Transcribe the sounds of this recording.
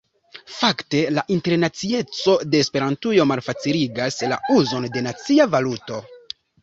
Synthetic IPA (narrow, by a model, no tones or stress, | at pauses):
fakte̞laʔinte̞ɾnat͡sie̞t͡so̞de̞ːspe̞ɾantujo̞malfat͡siliɡasla̰uzo̞nde̞nat͡siavaluto̞